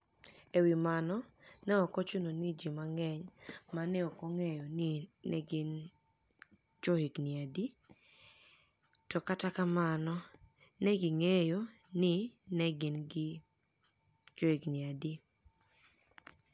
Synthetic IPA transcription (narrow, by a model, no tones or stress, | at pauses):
ewimanɔnɛɔkɔt͡ʃononid͡ʒimaŋɛɲmanɛɔkoŋejonɪnɛɡɪn | t͡ʃohiɡnɪadi | tɔkatakamanɔ | nɛɡɪŋejo | nɪnɛɡɪnɡɪ | t͡ʃoiɡnɪadi